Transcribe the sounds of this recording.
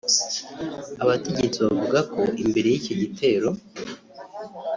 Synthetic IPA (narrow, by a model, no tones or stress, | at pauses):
aβate̞ɟe̞t͡siβavuɡako̞ʔimbe̞ɾe̞jicoɟitʰe̞ːɾo̞